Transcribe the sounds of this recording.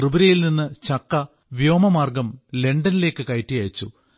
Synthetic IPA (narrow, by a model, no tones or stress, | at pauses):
rɨbɾɐjilninːɨt͡ɕɐkːɐ | ʋijo̞ːmɐmaːrɡɐmle̞ɳɖɐnile̞ːkːɨkɐjtːijaːjt͡ɕːu